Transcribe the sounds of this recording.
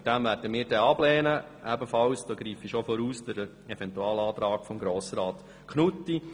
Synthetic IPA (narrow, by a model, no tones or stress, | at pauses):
td̥æmvæːɾd̥əmɪːɾdɛɑb̥lɛːnə | ʔɛbəfɑwsd̥ɔːɡɾiːfiʃofɔɾuːsd̥əɾ | ɛvɛntuɑːlɑːt̪ɾɑːkfɔmɡɾoːsəɾɑːt̪ | kχnut̪ːi